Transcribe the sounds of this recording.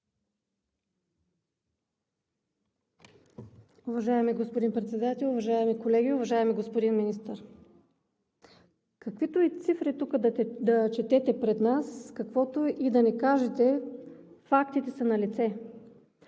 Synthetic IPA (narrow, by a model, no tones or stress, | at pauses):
ʊvɐʒaɛmiɡospod̪inpɾɛt̪sɛd̪at̪ɛlˠʊvɐʒaɛmikolɛɡʲiʊvɐʒaɛmiɡospod̪inminist̪əɾ | kɐkvit̪oit̪sifɾit̪ukəd̪d̪ɐt͡ʃɛt̪ɛt̪ɛpɾɛd̪naskɐkvɔt̪oʔid̪ɐnɛkaʒɛt̪ɛ | fakt̪it̪ɛsɐnɐlit̪sɛ